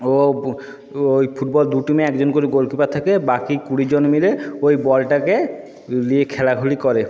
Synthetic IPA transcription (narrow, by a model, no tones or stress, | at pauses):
o | ojpʰuʈ̚bɔld̪uʈimeɛkd͡ʑonkoɾiɡolkipat̪ʰakebakikuɽid͡ʑonmileojbɔlʈake | liekʰɛlaɡʱuɽikɔɾe